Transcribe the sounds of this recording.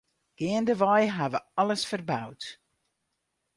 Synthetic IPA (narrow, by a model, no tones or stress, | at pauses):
ɡ̥eəndəvɑjɦavəɑləsfərbawt